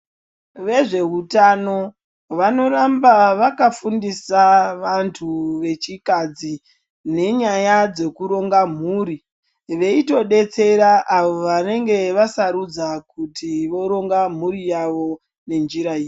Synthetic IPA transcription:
ʋe̞ʐe̞ɦutano̞ | ʋano̞rambaʋakafundisaʋantʰuʋe̞t͡ʃikad͡zi | ne̞ɲajad͡ze̞kuɾo̞ŋɡam̤uːɾi | ʋe̞ito̞ɗe̞t͡se̞ɾaʔːʋo̞ʋane̞ŋɡe̞ʋasaɾud͡zakutiʋo̞ɾo̞ŋɡam̤uɾijaʋo̞ | ne̞nd͡ʒiɾaiːe

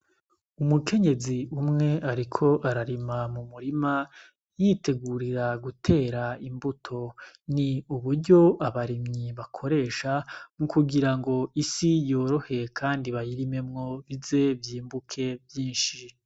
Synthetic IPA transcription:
umukʰe̞ɲe̞ziumŋe̞aɾikʰo̞ʔaɾaɾimamumuɾima | jite̞ɡuɾiɾaɡutʰe̞ːɾaimbutʰo̞niuβuɾɟo̞aβaɾimɲiβakʰo̞ɾe̞ːʃamukuɡiɾaŋɡo̞isijoːɾo̞he̞kʰaːndiβajiɾime̞mŋo̞βize̞bjiːmbukʰe̞vjiːnʃi

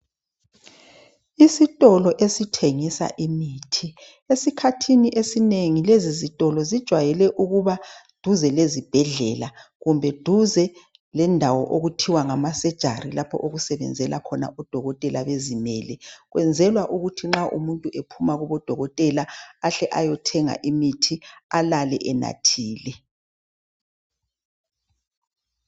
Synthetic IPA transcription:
isitʼɔlɔʔesitʰeŋisa̰ʔimiːtʰi | esikʰatʰiniʔesineŋilezizitʼɔlɔzid̥ʒ̥ʱwajɛlɛʔuɣuβad̥ʱuzɛlezib̥ʱɛɮɛlaɣumbʱɛd̥ʱuzɛ | lɛndʱawɔʔoɣutʰiwaŋamasɛd̥ʒ̥ʱa̰rilapʰɔ̰ʔoɣusɛβɛ̰nd͡zʱɛlʔakʰɔna̰ʔɔd̥ʱɔɣɔtʼɛlaβezimɛːlɛɣwʔɛnd͡zʱɛlwaʔuɣutʰiŋ͡ǁaʔṵmuntʼuʔepʰumaɣɔβɔd̥ʱɔɣɔtʼɛlaaɬɛʔajɔtʰɛŋa̰ʔimitʰialalɛʔɛna̰tʰiːlɛ

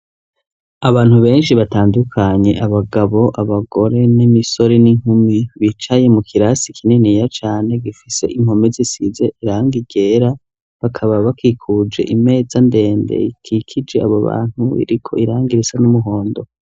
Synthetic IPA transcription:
aβaːn̥huβe̞ːnʃiβataːndukʰaɲe̞ʔaβaɡaβo̞ʔaβaɡo̞ɾe̞nimiso̞ɾeniŋhumiβit͡ʃaje̞mukʰiɾasikʰinenijat͡ʃaːne̞ɡifise̞ʔim̥ho̞mezisizeʔiɾaːŋɡiɡe̞ːɾa | βakʰaβaβakikʰud͡ʒe̞̰ʔime̞ːzande̞ːnde̞̰ikʰikʰid͡ʒe̞aβoβa̰ːn̥huḭɾikʰo̞iɾaːŋɡiɾisanumuɦo̞ːndo̞

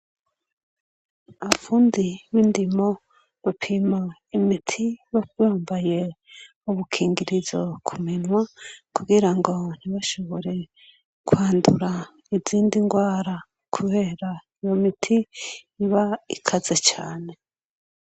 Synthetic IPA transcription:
aβafuːndiwindimo̞ | βapʰimaimitʰiβaβaːmbaje̞ | uβukʰiːŋɡiɾizokʰuminwakuɡiɾaŋɡo̞n̥iβaʃo̞βo̞ɾe̞ | kwaːnduɾa | iziːndiŋɡwaːɾa | kʰuβe̞ːɾaijomitʰiː | βaikʰazet͡ʃaːne̞

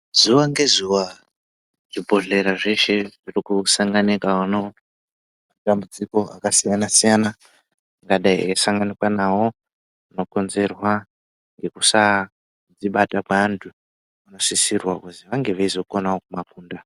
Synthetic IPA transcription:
zuʋaŋɡe̞zuwa | ʐ̥ibʱo̞ɮe̞ɾaʐe̞ʃe̞ʐirikusaŋɡanekaano̞ | matambud͡ziko̞a̰kasijanasijana | ŋɡaɗaiesaŋɡanikwanawo | ano̞ko̞nze̞rwa | ŋɡe̞kusa | d͡ziɓatakwantʰu | ano̞sisirwakuziʋaŋɡe̞ʋaizo̞ko̞naokumakuːnda

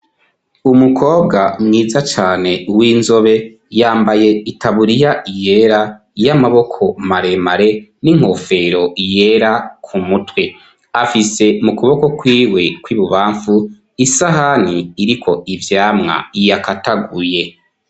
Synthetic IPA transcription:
umukʰo̞ːbɡamŋiːzat͡ʃaːne̞wiːnzo̞βe̞ | jaːmbaje̞itaβuɾijaʔije̞ɾa | jamaβo̞kʰo̞maɾe̞maɾe̞niŋ̥ho̞fe̞ɾo̞ije̞ɾakʰumutwe̞ | afise̞mukuβo̞ko̞kwiːwe̞kwiβuβaːɱfu | isaɦan̥iːɾikʰo̞ʔivjaːmŋa̰ijakataɡuje̞

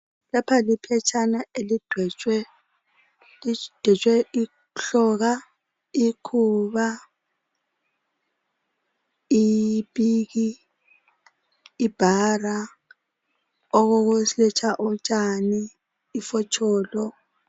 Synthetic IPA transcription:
lapʰalipʰɛt͡ʃʰʼanaelid̥ʱɛt͡ʃʼwɛ | lid̥ʱɛt͡ʃʼwɛʔi | ɬɔɣa | ikʰuβa | ipʼiːɣi | b̥ʱara | ɔɣoɣuslɛt͡ʃʰaʔut͡ʃʼaniː | fɔt͡ʃʰʼɔːlɔ

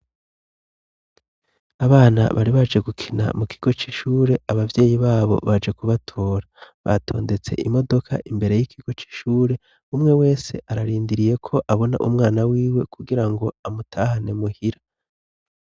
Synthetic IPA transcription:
aβaːna̰βaɾiβad͡ʒe̞ɡukʰina̰mukʰi̥ɡ̥o̞t͡ʃiːʃuːɾe̞aβavje̞ːjiβaːβo̞̰βad͡ʒekuβatʰo̞ːɾaβatʰo̞̰ːnde̞t͡se̞̰ʔimo̞do̞kʰa̰ʔimbe̞ɾe̞jikʰiɡ̥o̞t͡ʃi̥ʃuːɾe̞ | umŋe̞we̞ːse̞̰ʔaɾaɾiːndiɾije̞kʰo̞ʔaβo̞na̰ʔumŋaːnawiːwe̞kuɡiɾaŋɡo̞amutʰaːhane̞muhiɾa

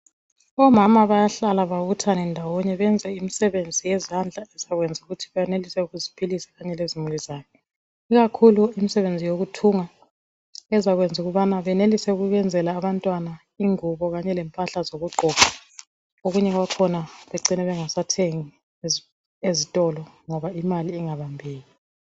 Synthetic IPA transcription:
ɔmamaβajaɬalaβaβutʰanɛndʱawɔɲɛβɛnd͡zʱɛimisɛβend͡zʱijɛzand͡ɮʱaɛzaɣwɛnd͡zʱuɣutʰiβɛjɛnelisɛuɣuzipʰilisḁɣaɲɛlezimulizaːjɔ | iɣakʰuluimisɛβend͡zʱijoɣutʰuŋa | ɛzaɣwɛnd͡zʱuɣuβanaβɛnelisɛuɣuɣɛnd͡zʱɛlaːβantʼwana | iŋuβɔɣaɲɛlɛmpʼaɬazoɣuɡ͡ǃʱɔɣa | oɣuɲɛɣwakʰɔnaβeǀinɛβɛŋasatʰeŋi | ezitʼɔlɔŋɔβaimaliːŋaβambʱeːli

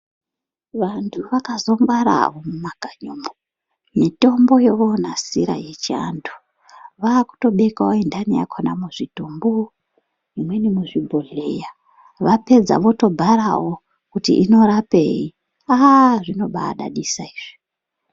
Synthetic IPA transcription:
ʋantʰuʋakazo̞mbaɾa̰ʋomumaɡ̥ʱaɲoːmo | mito̞mbo̞jeʋonasiɾa̰je̞t͡ʃia̰ndu̥ | ʋaːku̥to̞ɓe̞kaoindanija̰kʰona̰muʐitombo | imwe̞nimuʐibʱoɮe̞ja | ʋape̞d͡za̰ʋo̞to̞bʱaɾawo | kutḭʔino̞ɾapei | aʐino̞ɓa̰ːɗa̰ɗisaiːʐ̥i̥

